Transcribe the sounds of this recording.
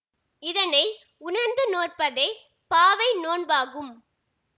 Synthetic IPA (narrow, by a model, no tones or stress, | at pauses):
ɪðɐnɐɪ | ʊnɐɾnd̪ɯnoːrpɐðɐɪ | paːʋɐɪnoːnbaːɣɯm